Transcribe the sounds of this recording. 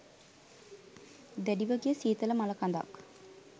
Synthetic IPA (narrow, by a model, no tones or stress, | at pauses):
d̪æɖiʋəɡijəsiːt̪ələmaləkand̪a̰k